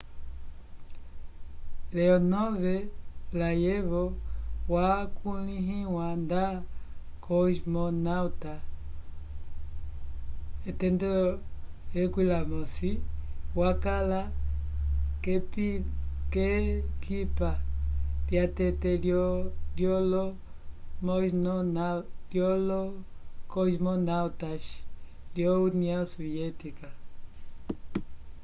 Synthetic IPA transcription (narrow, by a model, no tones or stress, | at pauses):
lɛɔnɔβɛlajɛβɔwakuliɦiwanda | kʰɔʃmɔnauta | ɛtɛndɔ | ɛkwilamɔsiwakala | kɛp | kɛkʰipaljatɛtɛlɔljɔlɔ | mɔnɔnaljɔlɔkɔʃmɔnawtaʃ | ljɔuniasɔvjɛtika